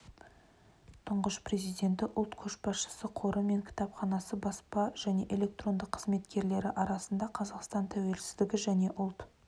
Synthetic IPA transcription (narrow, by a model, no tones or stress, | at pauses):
t̪ʰʊɴʁəʃpre̞zijd̪ʲe̞nt̪ɪʔʊlˠt̪kʲʰɵʃbɑsʃə̥səqʰo̞ɾʔəme̞ŋkʲʰɪ̥t̪ɑpχɑnɑsəbɑspɑʒ̥æne̞ʔe̞lʲe̞k̚t̪ro̞nd̪əqʰːə̥zme̞t̪kʲe̞ɾle̞ɾɪʔɑɾɑsənd̪ɑqʰɑzɑqst̪ɑnt̪ʰæwe̞lsɪ̥zd̪ɪɡʲɪʒæne̞ʔʊlˠt̪